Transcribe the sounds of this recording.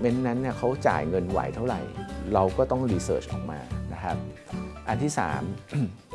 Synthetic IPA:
me˦˥nːa˦˥nːi˥˩ɐkʰa˦˥wt͡ɕa̰ː˨˩jŋɤ˧nwa̰˨˩˦jt̪ʰa˥˩wɾa̰˨˩jɾa˧wkɔː˥˩t̪ɔ˥˩ŋɾiː˧sɤː˦˥t͡ɕʔɔ̰ː˨˩k̚ma̰ː˧na˦˥kʰa˦˥p̚ʔa˧nt̪ʰiː˥˩sa̰ː˩˦m

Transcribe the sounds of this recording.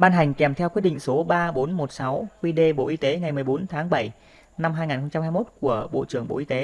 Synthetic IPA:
ɓaː˧nɦa˨˩jŋ̟kɛ˨˩mt̪ʰɛ˧wki˦˥t̚ɗḭ˧˨ŋ̟so˨˦ɓaː˧ɓo˨˦nmo˨˩t̚sa˨˦wkwi˧ɗe˧ɓo̰˧˨ʔi˧t̪e˨˦ŋa˨˩jm˨˩əjɓo˨˦nt̪ʰaː˨˦ŋɓə˧˩j | na˧mɦaː˧jŋaː˨˩nxə˧wŋ͡mt͡ɕa˧mhaː˧jmo˦˥t̚ku˧˩əɓo̰˧˨t͡ɕɨ˧˩əŋɓo̰˧˨ʔi˧t̪e˨˦

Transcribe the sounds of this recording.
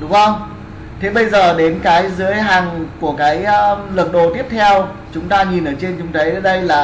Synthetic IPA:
ɗʊ˨˦ŋ͡mʔə˧wŋ͡m | t̪ʰe˨˦ɓə˧jzəː˨˩ɗe˨˦nkaː˨˦jzɨ˨˦əjɦaː˨˩ŋku˧˩əkaː˨˦jə˧˦lə˨˩t̚ɗo˨˩t̪i˦˥əp̚t̪ʰɛ˧w | t͡ɕʊ˨˦ŋ͡mt̪aː˧ɲi˨˩nʔəː˧˩t͡ɕe˧nt͡ɕʊ˨˦ŋ͡mt̪ʰə˨˦jə˨˦ɗə˧jlaː˨˩

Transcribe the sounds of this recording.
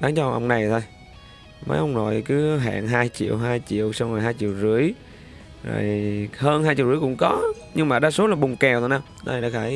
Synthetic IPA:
ɗaː˨˦ŋt͡ɕɔ˧ŋ͡mʔə˧wŋ͡mna˨˩jt̪ʰo˧j | mə̰˨˦jʔə˧wŋ͡mzo˨˩jkɨ˨˦ɦa̰ː˧˨ŋɦaː˧jt͡ɕḭ˧˨əwɦaː˧jt͡ɕḭ˧˨əwsa˧wŋo˨˩jɦaː˧jt͡ɕḭ˧˨əwzɨ˧˥əj | zo̰˨˩jhəː˧nɦaː˧jt͡ɕḭ˧˨wzɨ˧˦jkʊ̰˧˥ŋ͡mkɔ˨˦ | ɲɨ˧ŋmaː˨˩ɗaː˧so˨˦laː˨˩ɓʊ˨˩ŋ͡mkɛ˨˩wt̪ʰːnaː˧w | a̰˧˨˩ɗaː˧˥˩xaː˧˩

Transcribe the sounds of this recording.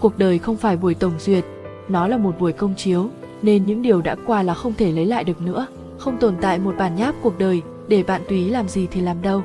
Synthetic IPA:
ku˨˩ək̚ɗəː˨˩jxə˧wŋ͡mfaː˧˩jɓu˧˩əjt̪ə˧˩wŋ͡mzwi˨˩ət̚ | nɔ˨˦laː˨˩mo˨˩t̚ɓu˧˩əjkə˧wŋ͡mt͡ɕi˨˦əw | ne˧nɲɨ̰˧˥ŋɗi˨˩əwɗa̰ː˧˥kwaː˧laː˨˩xə˧wŋ͡mt̪ʰe˧˩lə˨˦jla̰ː˧˨jɗɨ˨˩ək̚nɨ̰˧˥ə | xə˧wŋ͡mt̪o˨˩nt̪a̰ː˧˨jmo˨˩t̚ɓaː˧˩nɲaː˦˥p̚ku˨˩ək̚ɗəː˨˩j | ɗe˧˩ɓa̰ː˧˨nt̪wi˨i˨˦laː˨˩mzi˨˩t̪ʰi˨˩laː˨˩mɗə˧w

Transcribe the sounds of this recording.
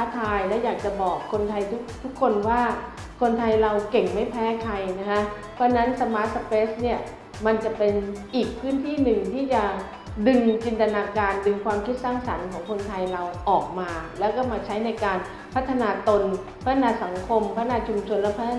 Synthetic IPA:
a˦˥t̪ʰːaː˧jlɛː˦˥wjaː˨˩k̚t͡ɕa˨˩bɔː˨˩kʰːo˧nt̪ʰa˧jt̪ʰu˦˥k̚t̪ʰu˦˥kʰːo˧nwaː˥˩ | kʰo˧nt̪ʰa˧jɾa˧wke˨˩ŋma˥˩jpʰɛː˦˥kʰa˧jna˦˥kʰa˦˥ | pʰɔː˦˥na˦˥nsa˧maː˦˥t̪̚sa˧peː˦˥sni˥˩ɐ | ma˧nt͡ɕa˨˩pe˧nʔiː˨˩k̚pʰɯː˦˥nt̪ʰiː˥˩nɯ˨˩ŋt̪ʰiː˥˩t͡ɕa˨˩ | dɯ˧ŋt͡ɕi˧nt̪a˧naː˧kaː˧ndɯ˧ŋkʰwaː˧mkʰi˦˥t̪̚saː˥˩ŋsa˩˦nkʰɔː˩˦ŋkʰo˧nt̪ʰa˧jɾa˧wʔɔː˨˩k̚maː˧lɛː˦˥wkɔː˥˩maː˧t͡ɕʰa˦˥jna˧jkaː˧n | pʰa˦˥t̪ʰːa˧naː˧t̪o˧n | pʰa˦˥t̪ʰːa˧naː˧sa˩˦ŋkʰo˧mpʰa˦˥naː˧t͡ɕʰu˧mt͡ɕʰo˧nlɛː˦˥wpʰa˦˥t̪ʰ

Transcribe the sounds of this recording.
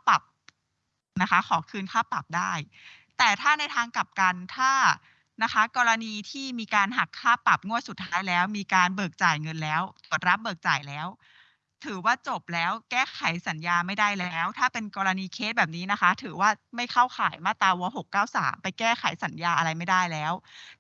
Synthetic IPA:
a˥˩pa˨˩p̚ | na˦˥kʰa˦˥kʰɔː˩˦kʰɯː˧nkʰaː˥˩pa˨˩p̚daː˥˩j | t̪ɛː˨˩t̪ʰaː˥˩na˧jt̪ʰaː˧ŋka˨˩p̚ka˧nt̪ʰaː˥˩ | na˦˥kʰa˦˥kɔː˧ɾa˧niː˧t̪ʰiː˥˩miː˧kaː˧nɦa˨˩kʰːaː˥˩pa˨˩p̚ŋu˥˩su˨˩t̪ʰːaː˦˥jlɛː˦˥wmiː˧kaː˧nbɤː˨˩k̚t͡ɕaː˨˩jŋɤ˧nlɛː˦˥wt̪u˨˩t̪̚ɾa˦˥p̚bɤː˨˩k̚t͡ɕaː˨˩jlɛː˦˥w | t̪ʰɯː˩˦waː˥˩t͡ɕo˨˩p̚lɛː˦˥wkɛː˥˩kʰa˨˩˦jsa˩˦njaː˧ma˥˩jdaː˥˩jlɛː˦˥wt̪ʰaː˥˩pe˧nkɔː˧ɾa˧niː˧kʰe˦˥t̪̚bɛː˨˩p̚niː˦˥na˦˥kʰa˦˥t̪ʰɯː˩˦waː˥˩ma˥˩jkʰa˥˩wxʰaː˩˦jmaː˥˩t̪aː˧wu˧ɦo˨˩kːaː˥˩wsa̰ː˩˦mpa˧jkɛː˥˩xʰa˩˦jsa˩˦njaː˧ʔa˧ɾa˧jma˥˩jdaː˥˩jlɛː˦˥w

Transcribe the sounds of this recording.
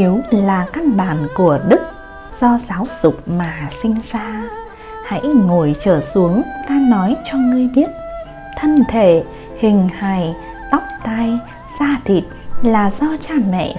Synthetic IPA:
i˨˦wlaː˨˩ka˧nɓaː˧˩nku˧˩əɗɨ˦˥k̚ | z̥ɔ˧zaː˨˦wz̥ʊ˨˩k͡p̚maː˨˩sï˧ŋ̟saː˧ | ha̰˧˥jŋo˨˧˩jt͡ɕəː˧˩su˨˦əŋt̪aː˧nɔ˨˦jt͡ɕɔ˧ŋɨ˧əjɓi˦˥ət̚ | t̪ʰə˧nt̪ʰe˧˩ | hï˨˩ŋ̟ha˨˩j | t̪a˦˥wk͡p̚t̪a˧j | zaː˧t̪ʰḭ˨˩t̚laː˨˩zɔ˧t͡ɕaː˧˩mɛ̰˧˨

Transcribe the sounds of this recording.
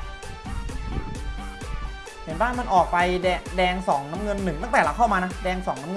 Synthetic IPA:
he˨˩˦nbaː˥˩nma˧nʔɔː˨˩k̚pa˧jdɛː˧ŋsɔː˩˦ŋnaː˦˥mŋɤ˧nːɯ˨˩ŋt̪a˥˩ŋt̪ɛː˨˩la˦˥kʰa˥˩wmaː˧na˦˥dɛː˧ŋsɔː˩˦ŋna˦˥ŋ˧

